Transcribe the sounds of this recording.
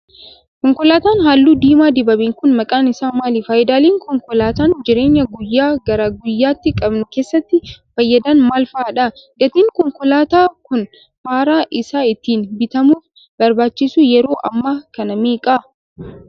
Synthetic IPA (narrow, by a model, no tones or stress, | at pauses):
kɔŋkɔlaːt̪aːnɦaːlːuːd̪iːmaːd̪ɪbɐbɪːŋkʊnmɐkʼaːnɪsaːmaːliːfaːjɪd̪aːliːŋkʰɔŋkɔlaːt̪aːnd͡ʒɪɾe̞ːɲːɐɡʊjːaːɡɐɾɐɡʊjːaːt̪ːɪkʼɐbnʊke̞ːsːɐt̪ːɪfɐjːɐd̪ɐnmaːlfɐaːᶑɐɡɐt̪iːŋkɔŋkɔlaːt̪aːkʊn | haːɾaːʔɪsaːɪt̪ːiːnbɪt̪ɐmuːf | bɐɾbaːt͡ʃːɪsuːjɛɾo̞ːʔɐ̰mːaːkɐnɐmeːkʼɐ